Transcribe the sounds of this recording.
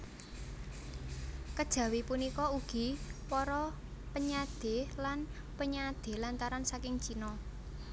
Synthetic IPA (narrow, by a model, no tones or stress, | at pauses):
kəd̥ʒ̥ä̤wipunikɔuɡ̥i̤pɔɾɔ | pəɲad̪̥e̤lan | pəɲad̪̥e̤lant̪aɾansakɪŋt͡ʃinɔ